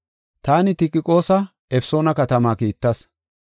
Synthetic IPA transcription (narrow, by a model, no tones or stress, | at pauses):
t̪aːnɪt̪ɪkʼːɪkʼo̞ːsɐ | ɛfɪ̥so̞ːnɐkɐt̪ɐmaːkiːt̪ːɐs